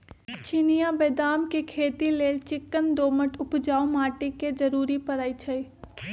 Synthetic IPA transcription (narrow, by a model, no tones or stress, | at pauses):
t͡ʃiːnijabeːd̪aːmkekʰeːt̪ileːlt͡ʃɪkːənd̪oːməʈʰʊpd͡ʒaːumaːʈiked͡ʒɐɾuːɾipəɾait͡ʃʰɐi